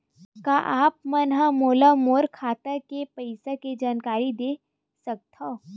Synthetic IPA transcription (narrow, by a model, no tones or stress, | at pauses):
kaʔaːp̚mɐnɦãmoːlamoːɾkʰaːt̪əkepɐɪsaked͡ʒaːnkaːɾid̪eː | sɐk̚t̪ʰo